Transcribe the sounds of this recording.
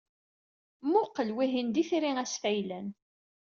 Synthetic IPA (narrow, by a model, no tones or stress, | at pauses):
mʊqːəlwiɦind̪iθɾiŋæsfæjlæn